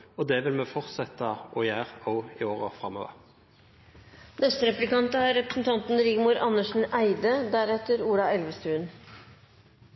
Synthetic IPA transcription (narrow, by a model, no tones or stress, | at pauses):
ɔd̪ɛʋɪlmɛfɔʁt̪sɛt̪əʔɔjæːʁɔʊɪoːʁəfʁɑmoːʋə̰ʁ | nɛst̪əɾɛplɪkɑnt̪əæɾɾɛpɾəsn̩t̪ʰɑnt̪n̩ɾɪɡmuːɾʔɑnːəʂɳ̩ʔæɪd̪əd̪æɾɛt̪əɾuːɾɑɛlʋəst̪ʉːn